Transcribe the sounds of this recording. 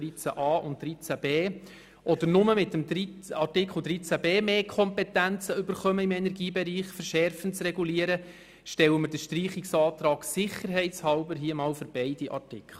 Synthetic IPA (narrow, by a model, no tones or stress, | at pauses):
it͡sæ̰ʔɑːʔʊnt̚d̥ɾit͡sæb̥eː | ʔɔd̪əɾnʊməmɪt̪əmdɾiɑrtɪkχl̩dɾit͡sæbeːmeːkʰɔmpɛt̪ænt͡səʏbəɾχœməɪmɛnɛɾɡiːbɛɾiːχfəɾʃɛrfənt͡srɛɡuliəɾə | ʃtɛwəməɾdəʃtriːχiksɑːt̪ɾɑːksɪχəɾɦɛɪtt͡shɑwbəɾɦiəmɑːlføɾb̥ɛɪd̥iʔɑ̰rtɪkʰχl̩